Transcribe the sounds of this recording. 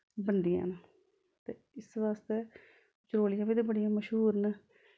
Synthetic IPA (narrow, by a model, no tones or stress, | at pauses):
bənd̪ija̰ːna | t̪eːɪsʋaːst̪eː | t͡ʃɾoːlɪjãːbiːd̪eːbəɽijãːməʃɦuːɾna